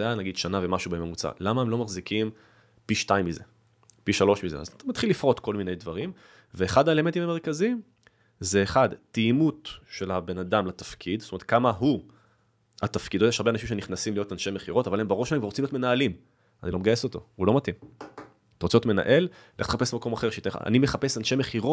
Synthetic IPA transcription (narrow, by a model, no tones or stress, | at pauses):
janaɡid̪ʃanavemaʃubeememut͡sa̰lamaemlo̞maχzikim | piʃtaimːizḛ | piʃalo̞ʃmizḛa̰zmat̪χilːifʁo̞t̪ko̞lminejdvaʁim | veːχad̪aele̞ment̪imame̞ʁ̞kazim | zeːχadtimut̪ʃe̞labe̞nadamlatafkʰid̪zsotomeet̪̚kamaɦu | ha̰t̪afkid̪ojeʃaʁbeanaʃimʃ̬e̞niχnasimlijo̞tanʃe̞me̞χiʁo̞tavalhembaʁoʃlaekvaʁot͡simljotme̞naːlim | anilo̞meɡajeso̞t̪o̞̰hulo̞mat̪im | t̪aʁot͡seotme̞na̰ʔe̞l | lḛχt̪e̥χape̞slmako̞maχeʁʃeitea̰a̰nime̞χapesanʃe̞meχiʁot